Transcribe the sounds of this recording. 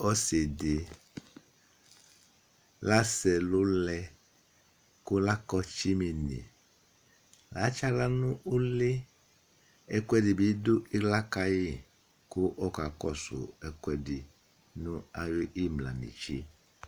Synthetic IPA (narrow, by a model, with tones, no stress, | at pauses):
ɔ˦se˨de˨ | la˦sɛ˨lo˦lɛ˦˧ | kʊ˦la˦kɔ˦t͡ʃi˦mi˨nḭ̃˨ | la˨˦t͡ʃa˦la˦nũ˦ʔu˦le˦ | ɛ˦kwɛ˦di˨bi˨˦do˦i˦ɡla˦ka˦ji˦ | ku˦ʔɔ˦ka˨kɔ˦sʊ̰˨ɛ˨kwɛ˨di˨ | nũ˦a˨jo˦ʔi˦mla̰˨nḭ̃˨t͡ʃi˦